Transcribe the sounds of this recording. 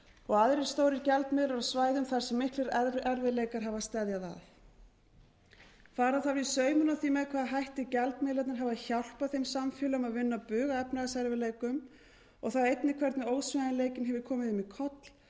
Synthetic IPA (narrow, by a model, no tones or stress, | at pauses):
ɔɣaðɾɛɾ̥st̪oːwɾɪɾcɛlt̪mɪðlaɾasvaːjðʏmθaɾ̥sɛmːɪhklɪɾɛɾvɪðleːjkaɾ̥ɦavast̪ɛðjaða̰θ | faːɾaθaɾvisœːɥmʏnawθiːmɛðkʰvaːðaɦajht̪ɪcɛlt̪mɪːðlat̪nɪɾɦavaçawl̥paθejmsamfɪːlʏʏmaðvɪnːapʏːɣaɛpnaɣasɛɾvɪleːjkʏm | ɔɣθawejt̪nɪkʰvɛɾt̪nɪoːwsvɪnaɪnleːjcɪnɦɛvɪɾkʰɔːmɪðʏmikʰɔt̪l̥